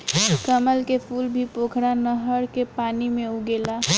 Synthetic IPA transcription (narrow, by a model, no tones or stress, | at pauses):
kəməlkepʰuːlbʱipoːkʰɽanəɦəɾkepaːnimẽʊɡeːla